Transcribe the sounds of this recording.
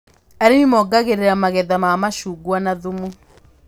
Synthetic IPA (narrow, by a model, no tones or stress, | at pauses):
aɾenimɔɡaɣeɾeɾamaɣɛðamamaʃuɡwanaðumu